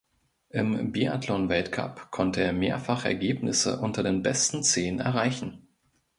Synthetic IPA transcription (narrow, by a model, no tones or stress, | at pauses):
ʔɪmbia̰tʰlɔnvɛltkʰa̰pkʰɔntəeːɐmeːɐfaχɛ̰ɐɡeːpnɪsə̰ʔʊntɐdeːnbɛstn̩t͡seːnɛ̰ɐʁ̞aɪçn̩